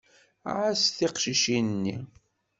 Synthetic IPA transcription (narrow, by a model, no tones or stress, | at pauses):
ʕasθiqʃiʃinnːi